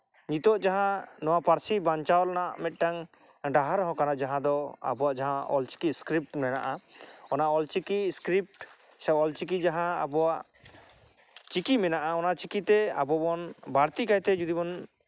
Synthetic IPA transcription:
ɲit̪ɔʔd͡ʒaɦãnɔwapaɾt͡ʃʰibaɲt͡ʃaɔlnaʔmɛt̪̚ˀʈaŋ | ɖaɦaɾɦɔ̃kanad͡ʒaɦãd̪ɔa̰bɔwaʔd͡ʒaɦãʔɔ̰lt͡ʃi̥kiskɾip̚ʈmɛna̰ʔaɔnaʔɔlt͡ʃikiskɾip̚ʈ | sɛɔlt͡ʃik̬id͡ʒaɦãa̰bɔwaʔ | t͡ʃikimɛnaʔaɔnaʔt͡ʃikit̪ɛa̰bɔbɔnbaɾt̪ikajt̪ɛd͡ʒud̪ibɔn

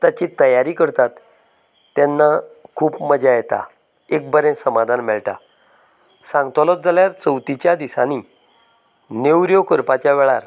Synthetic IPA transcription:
t̪at͡ɕit̪əjaɾikəɾt̪at̪ː | ɛnːakʰuːpməd͡ʑajet̪a̰ | ek̚bəɾẽnsəmad̪ʱanmɛɭʈa̰ | sãŋɡt̪ɔlɔt̪̚d͡zaljaɾt͡səwt̪it͡ɕjad̪isa̰ni | newɾjɔkəɾpat͡ɕjaʋɛɭaɾ

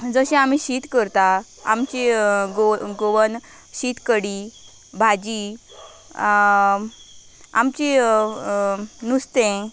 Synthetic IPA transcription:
d͡zəɕẽam̤iɕit̪kəɾt̪a | a̰mt͡ɕeɡoɡoʋən | ɕit̪kəɽi | bʱad͡ʑi | a̰mt͡ɕe | nust̪ẽ

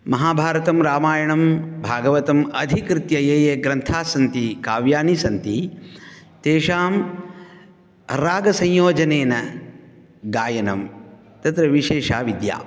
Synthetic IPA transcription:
mɐɦaːbʱaːɾɐt̪ɐmɾaːmaːjɐɳɐmbʱaːɡɐʋɐt̪ɐmɐd̪ʱikɾɪt̪jɐjeːjeɡɾɐnt̪ʰaːsɐnt̪ikaːʋjaːnisɐnt̪i | t̪eːʃaːm | ɾaːɡɐsɐ̃jjoːd͡ʒɐneːnɐ | ɡaːjɐnɐm | t̪ɐt̪ɾɐʋiʃeːʃa̰ːʋid̪ja̰ː

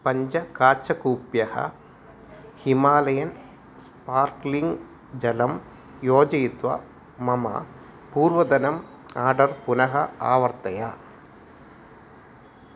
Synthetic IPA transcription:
pɐɲd͡ʒɐkaːt͡ʃɐkuːpjɐhɐ̰ | himaːlɐjɐn | spaːɾkliŋɡ | d͡ʒɐlɐm | joːd͡ʒɐjit̪ʋɐ̰ | mɐmɐ̰ | puːɾʋɐd̪ɐnɐm | aːɾɖɐɾpunɐɦɐaːʋɐɾt̪ɐja

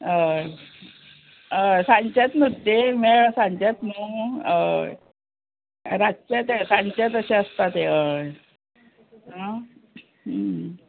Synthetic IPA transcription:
ə | əsãɲt͡ɕat̪mət̪ːemɛsãɲt͡ɕat̪mu | ɾat͡ɕat̪sãɲt͡ɕat̪əɕeəst̪at̪eə | ɦã

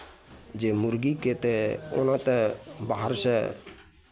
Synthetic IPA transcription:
d͡ʒemuɾɡiket̪eo̰nat̪ebaɦəɾse

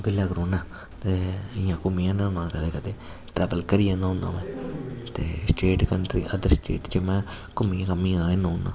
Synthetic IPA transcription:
bɪlːaːɡɾoːnãː | t̪eːɪjãːkʊmiãːnãːnãːkəd̪eːkət̪eː | ʈɾɛːʋəlkəɾijãːnãːʊ̃nã̰ːmɛ̃ːt̪ḛːsʈeːʈkənʈ̪ɾḭːʔəd̪əɾsʈḛːʈt͡ʃəmɛ̃ː | kəmĩãkəmːĩːãːeːnõːnã̰ː

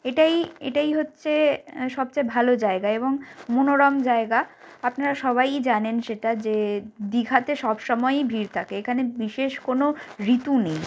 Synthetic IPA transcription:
eʈajḛʈajɦotːɕʰeʃɔb̚t͡ɕaebʱalod͡ʑaeɡaeboŋmonoɾamd͡ʑaeɡa | apnaɾaʃɔβajd͡ʑanenʃeʈad͡ʑed̪iɡʱat̪eʃɔbʃɔmɔebʱiɾt̪ʰakeekʰanebiʃeʃkonoɾit̪unej

